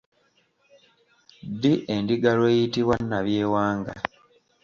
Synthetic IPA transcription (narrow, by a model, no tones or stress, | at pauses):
diʔendiɡalwe̞ːjitiβwanːaβjeːwaːŋɡa